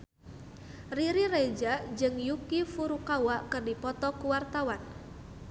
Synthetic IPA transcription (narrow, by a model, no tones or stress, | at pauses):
riɾired͡ʒaʔd͡ʒɨŋjukifuɾukawaʔkɨrdipɔt̪ɔkuwart̪awan